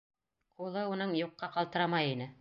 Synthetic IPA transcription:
qulˠɤunɤɴjuqːɑqɑlˠt̪ɤ̆ɾɑmɑjinɘ

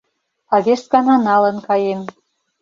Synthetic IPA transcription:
ɑβeʃt̪̚kɑnɑnɑlɤ̆nkɑjem

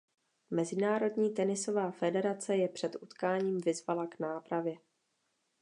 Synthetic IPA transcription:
mɛzɪnaːɾo̞dɲiːt̪ɛnɪso̞vaːfɛdɛɾat͡sɛjɛpr̥ɛt̪ʔut̪kaːɲiːmvɪzvalaɡnaːpɾavjɛ

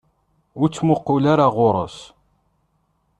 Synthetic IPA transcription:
ʊɾt͡sːmʊqːʊlaɾaʁʊɾˤə̰s

